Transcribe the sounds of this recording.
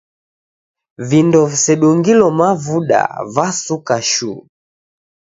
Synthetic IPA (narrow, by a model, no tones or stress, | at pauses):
vindɔvisɛɗɔŋɡilɔmavuɗa̰vasukaʃṵ